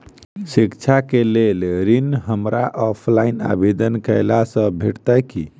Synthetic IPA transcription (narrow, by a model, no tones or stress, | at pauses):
sikt͡ʃʰakelelɾinɦəmɾaʔɔpʰlaina̰bed̪ənkəɪlasə̃bʱeʈt̪əki